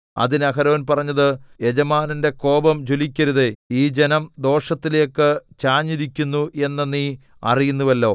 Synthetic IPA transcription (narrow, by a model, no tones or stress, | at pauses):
ɐ̰ðinɐkɐɾoːnpɐrɐɲːɐðɨed͡ʑɐmaːninde̞ko̞ːbɐmd͡ʑolikʲːɐɾuðeiːd͡ʑenɐmd̪o̞ːʂɐt̪ːilekːɨt͡ɕaːɲːiɾikʲːunːuʔe̞nːɐnːi | ɐ̰rijunːuʋɐlːo̞̰ː